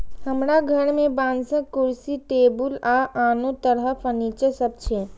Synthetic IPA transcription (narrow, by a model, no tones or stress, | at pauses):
ɦəmɾaɡʱəɽmẽbãːnsə̃kʊɾsiʈeːbʊlaʔaːnũt̪əɾəpəniːt͡ʃəsəb̚t͡ʃʰe